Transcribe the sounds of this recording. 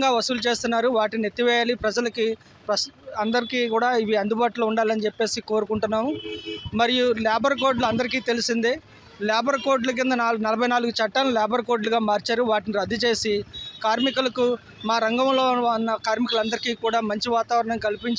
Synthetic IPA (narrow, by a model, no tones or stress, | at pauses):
ŋɡaːʋɐsulut͡ʃe̞ːst̪unːaːɾuʋaːʈinet̪ːiʋɛːjaːlipɾɐd͡ʒɐlɐki | pɾɐsɐnd̪ɐɾikiːkuːɽaːiʋiɐnd̪ubaːʈulouɳɖaːlɐnit͡ʃepːe̞ːsiko̞ːɾukuɳʈunːaːmumɐɾijulaːbɐɾɐko̞ːɾɖluɐnd̪ɐɾik̬iːt̪e̞lisind̪e | laːbɐɾkoːɾɖlɐk̬ind̪ɐnaːlnɐlɐbʱɐjnaːluɡut͡ʃɐʈːaːlːuljaːbɐɾko̞ːɾɖluɡaːmaːɾt͡ʃaːɾuʋaːʈiniɾɐd̪ʱːit͡ʃe̞ːsikaːɾmikulɐku | maːɾɐŋɡɐmlo̞ːɐnːɐkaːɾmikulɐnd̪ɐɾikiːkuːɽaːmɐɲt͡ʃiʋaːt̪aːʋɐɾɐɳɐmkɐlipiɲt͡ʃ